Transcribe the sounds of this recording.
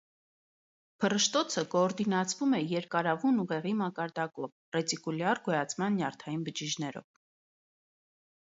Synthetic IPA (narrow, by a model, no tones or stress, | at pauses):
pʰərəʃt̪ɔt͡sʰəkɔːɾd̪inɑt͡sʰvumɛjɛɾkɑɾɑvunuʁɛʁimɑkɑɾd̪ɑkɔv | rɛt͡sikuljɑrɡɔjɑt͡sʰmɑnːjɑrt̪ʰɑjinbəd͡ʒiʒnɛɾɔ̰v